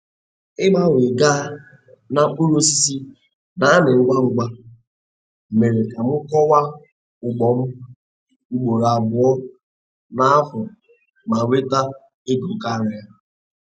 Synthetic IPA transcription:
ɪ˦ma˦we˨ɡaː˦ | na˨k͡pu˦ɾo˦si˦si˦ | na˦a˦nɪ˨ŋ͡m̩˦ɡ͡ba˦ŋ͡m̩˨ɡ͡ba˦˨ | me˨ɾe˨ka˨m̩˦kɔ˦wa˦ | ʊ˨ɡ͡bɔ˨m̩˦ | ɡ͡bo˨ɾa˨bʊ˨ɔ˦ | na˦a˦fɔ˨ | ma˨we˦ta˦ | e˦du˨ka˦ɾɪ˨ja˦

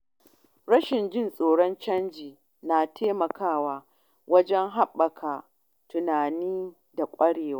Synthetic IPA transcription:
ɽɐ˦ʃɪ˨nd͡ʒɪ˦nsʼoː˨ɽɔ˦nt͡ʃɐ˦nd͡ʒiː˨ | naː˨tʰeː˦mɐ˨kaː˦˨waː˨ | wɐ˦d͡ʒɛ˦ŋɦa˦ɓːɐ˨kʰa˨ | tʊ˨naː˨niː˦ | da˨kʷʼɐ˦ɽeː˨waː˦

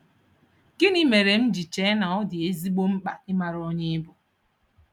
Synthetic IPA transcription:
kɪ˦ni˦me˨ɾe˨m̩˦d͡ʒi˨t͡ʃe˨˦na˨ɔ˦dɪ˨e˦zi˦ɡ͡bo˦m̩˦k͡pa̰˨ɪ˦ma˨ɾo˦ɲe˦ɪ˦bʊ˨

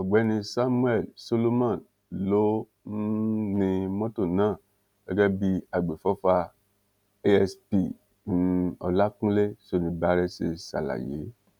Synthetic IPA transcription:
ɔ˨ɡ͡bɛ˨˦nĩ˧sa˦mũ˦ɛ˦˨lso˦lo˦mã˦˨ | lo˦ | n̩˦nĩ˧mɔ̃˦to˦˨nãː˦˨ | ɡ̥ɛ˦ɡɛ˦bi˦a˨ɡ͡be˨fɔ˦fa˧ | e˦ɛ˧spi˦˨ | n̩˦ɔ̰˧la˦kũ˦le˦so˦˨nĩ˧ba˨˦ɾɛ˦se˧sa̰˨la̰˨jḛ˨˦

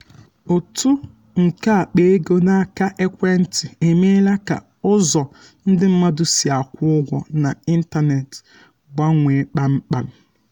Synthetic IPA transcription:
o˨tʰu˦ | ŋ̩˨ka˦a˨k͡pe˦e˦ɡo˦na˦a˦˨ka˦ʔe˦kʷe˦n̩˦tɪ˨e˨me˦la˦ka̰˨ | ʊ˦zɔ˨ | n̩˦dɪ˦m̩˦ma˦dʊ˨si˨a˨kʷʊ˦ʊ˦ɡʷɔ˦na˨i˦n̩˦ta˦ne˨t | ɡa˦ŋʷe˨˦k͡pa˦m̩˦k͡pa˦m̩˦

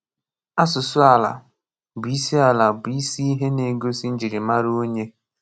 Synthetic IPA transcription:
a˦sʊ˨sʊ˦a˨la̰˨ | bi˦si˦a˨la˨bi˦si˦i˦ɦe˦ne˨ɡo˦si˦n̩˦d͡ʒi˨ɾi˨ma˦ɾo˦ɲe˦

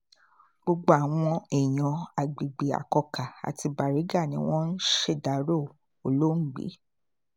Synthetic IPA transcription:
ɡ͡bo˧ɡ͡bo˧˦a˨w̃ɔ̃˧ɛ˨j̃ɔ̃˨a˨ɡ͡bi˨ɡ͡be˨a̰˨kɔ˧ka˨a̰˨ti˧ba˨ɾi˨˦ɡa˦˨nĩ˧˦w̃ɔ̃˦n̩˦ʃe˦˨da˨˦ɾo˦˨ | o˨lo˦n̩˦˨ɡ͡bḛ˨˦

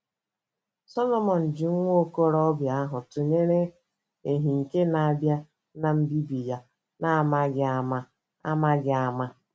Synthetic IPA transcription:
sɔ˦lɔ˦mɔ˨n̩˨d͡ʒɪ˨ŋʷ˦o˦ko˦ɾɔ˦bja˨a˦ɦʊ˨tʊ˨ɲe˦ɾe˦ | e˨ɦi˨ŋ̩˨ke˦na˨a˨bja˦ | na˨m̩˦bi˦bi˨ja˦ | na˦˨a˨ma˦ɡɪ˨a˦ma˦ | a̰˦ma˦ɡɪ˨a˨ma˦

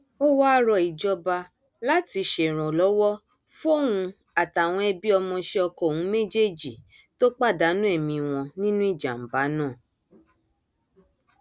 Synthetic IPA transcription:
o˦wa˦ɾɔ˧˨i˨d͡ʒɔ˧ba˧ | la˦ti˧ʃe˨ɾ̃ɔ̃˨lɔ˨˦wɔ˦ | fũ˦o˦˨hũ˧ | a˨ta˨w̃ɔ̃˧ɛ˧bi˦ɔ˧mɔ̃˧ʃe˧ɔ˧kɔ˦˨hũ˨˦me˦d͡ʒe˦˨d͡ʒi˨ | to˦k͡pa˦˨da˨˦nũ˦ɛ˦˨mĩ˧˨w̃ɔ̃˧nĩ˦nũ˦i˦˨d͡ʒa̰˨m̩˨ba˨˦nãː˦˨

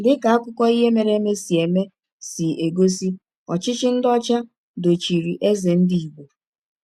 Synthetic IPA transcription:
lɪ˦ka˨a˦kʷʊ˦kɔ˦i˦ɦe˦me˨ɾe˦me˦si˨e˨me˦ | si˨e˨ɡo˦si˦ | ɔ˨t͡ʃɪ˦t͡ʃɪ˦n̩˦dɔ˦t͡ʃa˦ | do˨t͡ʃi˨ɾi˨ʔe˦ze˨n̩˦di˦i˨ɡ͡bʷo˨

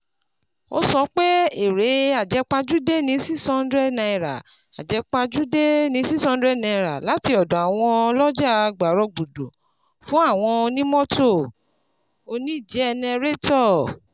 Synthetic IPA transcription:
o̰˦sɔ˧˦k͡pe˦e˦˨ɾe˨˦a˦˨d͡ʒɛ˨˧k͡pa˧d͡ʒu˦de˦nĩ˨˧˦si˦sɔ̃˧˦n˦dɾɛ˦˨nã˧i˨ɾa˨ | a̰˨d͡ʒɛ˨˧˦k͡pa˧d͡ʒu˦de˦nĩ˨˧˦si˦sɔ̃˧n˦dɾɛ˦˨nã˧i˨ɾa̰˨la˨˦ti˧ɔ˨dɔ̃˨a˨w̃ɔ̃˧lɔ˦d͡ʒa˦˨˧ɡ͡ba˨ɾɔ˧ɡ͡bu˨dõ˨ | fũ˦a˦˨w̃ɔ̃˧o˧nĩ˦mɔ̃˦to˦˨ | o˧nĩ˦˨d͡ʒɛ˦ɛ˧nĩ˧ɾe˦tɔ˦˨

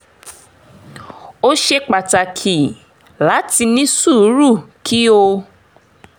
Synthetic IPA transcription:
o˦ʃe˦k͡pa˨ta˨kʰi˨ | la˨˦ti˧nĩ˦su˦˨˦ɾu˦˨kʰi˦o˧

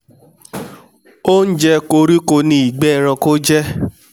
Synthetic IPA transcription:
o˦n̩˦d͡ʒɛ˦ko˧ɾi˦ko˧nĩ˧˦i˨ɡ͡bɛ˦˨ɾ̃ã˧ko˦d͡ʒɛ˦

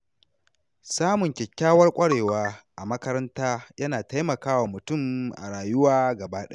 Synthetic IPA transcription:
saː˦mʊ˨ŋkʲɛ˨kʲːaː˦wɐ˦rkʷʼɐ˦ɽeː˨waː˦ʔa˨mɐ˦kɐ˦ɾɐ˦ntaː˦jɐ˦naː˨ta˦jmɐ˨kaː˦waː˨mʊ˨tʊ˦˨mʔa̰˨ɽaː˨jʊ˦waː˦ɡɐ˨baː˦ɗɐ˦

